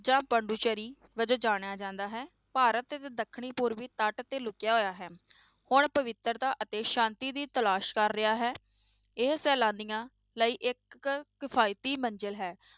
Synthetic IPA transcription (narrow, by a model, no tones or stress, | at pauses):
d͡ʒãːpəɳɖuːt͡ʃəɾiː | ʋəd͡ʒəd͡ʒaːɽ̃jaːd͡ʒãːnd̪aːɦɛː | paːɾət̪ət̪eːd̪əkʰːɽ̃iːpʊɾʋiːt̪əʈt̪eːlʊkɪjaːɦoːjaːɦɛː | hʊɳpəʋɪt̪ːɾt̪aːʔət̪eːʃãːnt̪iːd̪iːt̪əlaːʃkəɾːɪaːɦɛː | ɪɦsɛːlaːnijãː | ləiːʔɪkːɪpʰaːɪt̪iːməɲd͡ʒəlɦɛː